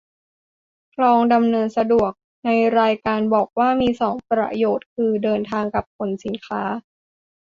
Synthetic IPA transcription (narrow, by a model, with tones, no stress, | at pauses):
kʰlɔː˧ŋda˧mnɤː˧nsa˧du˨˩ək̚ | na˧jɾaː˧jkaː˧nbɔː˨˩k̚waː˥˩miː˧sɔː˩˦ŋpɾa̰˧joː˨˩t̪̚kʰɯː˧dɤː˧nt̪ʰaː˧ŋka˨˩p̚kʰo˩˦nsi˨˩˦nkʰaː˦˥